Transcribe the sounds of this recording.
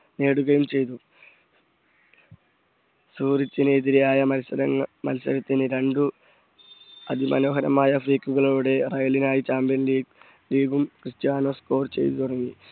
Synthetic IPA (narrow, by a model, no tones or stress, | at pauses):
ne̞ːɽuɣɐjumt͡ɕe̞jt̪̬u | suːrit͡ɕːinːðiɾɐjaːjɐɐsɐɾɐŋmɐ̰lsɐ̰ɾɐt̪ːinɨɾe̞ɳɖu | ɐd̪ʱimɐ̰no̞ːɦɐɾɐmaːjɐfriːkːuɣɐɭuːɽe̞rɐjɐlinaːjit͡ɕaːmbjɐnli | liːɡumkrɨst̪jaːnoːsko̞ːrt͡ɕe̞̰jt̪ut̪uɽɐŋːi